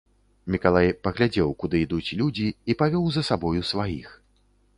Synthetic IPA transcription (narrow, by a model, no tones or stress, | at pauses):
mʲikalˠajpɐɣlʲad͡zʲɛwkud̪ɨid̪ut͡sʲlʲud͡zʲiːpavʲɔwzɐsabɔjusvajḭx